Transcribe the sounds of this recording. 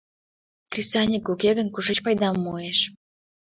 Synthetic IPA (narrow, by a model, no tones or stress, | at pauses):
krʲisɑnʲikukeɣənkuʃet͡ɕpɑjd̪ɑmːueʃ